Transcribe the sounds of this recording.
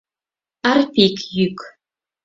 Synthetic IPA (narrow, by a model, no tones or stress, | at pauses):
arpikʼʰjykʰ